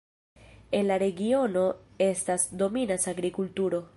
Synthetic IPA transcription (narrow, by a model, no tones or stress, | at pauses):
e̞nlaɾe̞ɡio̞no̞e̞stasdo̞minasaɡɾikultuɾo̞